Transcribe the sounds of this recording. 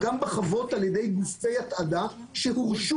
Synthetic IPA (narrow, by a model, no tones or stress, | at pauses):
ɡambeχavo̞taljedejbuztejat̪adaʃehuʁʃu